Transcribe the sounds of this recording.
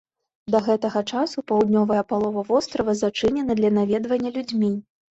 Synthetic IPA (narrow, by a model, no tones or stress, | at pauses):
d̪ɐɣɛt̪ɐɣɐt͡ʂasupawd̪ʲnʲɔvɐjɐpalˠɔvɐvɔst̪ɾɐvɐzat͡ʂɨnʲɛnɐd̪lʲɐnavʲɛd̪vɐnʲːɐlʲud͡zʲmʲi